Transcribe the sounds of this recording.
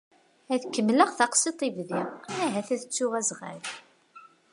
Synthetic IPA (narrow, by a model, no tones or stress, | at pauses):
æθkːəmːləʁθɑqsˤit̪ˤivðiʁæɦæθæðət͡sːʊʁæzʁə̰ɾ